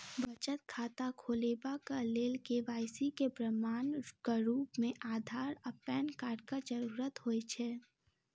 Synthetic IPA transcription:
bət͡ʃət̪̚kʰaːt̪akʰoːleːbakaleːlkeʋaːjsikepɾəmaːnkaɾuːpmẽʔaːd̪ʱaːɾɐpɛːnkaːɖkad͡ʒəɾuːɾət̪ɦoːet͡ʃʰɛː

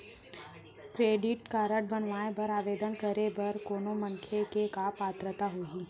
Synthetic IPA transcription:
kɾeːɖɪʈkaːɾəʈ̚bənʋaːebɐɾaːʋeːd̪ənkəɾebɐɾkoːnomɐŋkʰekekaːpaːt̪ɾət̪aɦoːɡiː

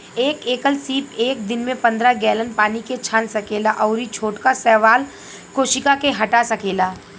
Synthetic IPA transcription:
eːkeːkəlsiːpeːk̚d̪ɪnmẽpɐ̃nd̪ɾaɡɛːlənpaːniket͡ʃʰãːnsɐkeːlaʔɔːɾit͡ʃʰoːʈkasɛːʋaːl | koːʃɪkakeɦɐʈasɐkeːlaː

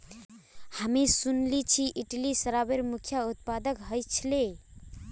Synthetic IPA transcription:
həmisunlit͡ʃʰiʔiʈlisəɾabeɾmukʰjaut̪̚pad̪əkɦəjt͡ʃʰle

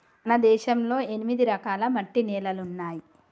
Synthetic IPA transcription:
ɐnɐd̪ɛːʃɐmlo̞ːe̞nimid̪iɾɐkaːlɐmɐʈːinɛːlɐlunːaːji

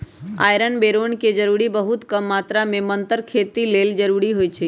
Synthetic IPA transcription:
a̰ːjɾənbeɾonked͡ʒəɾuɾibəɦut̪kəmːat̪ɾamẽmənt̪əɾkʰet̪ileld͡ʒəɾuɾiɦoːjt͡ʃʰe

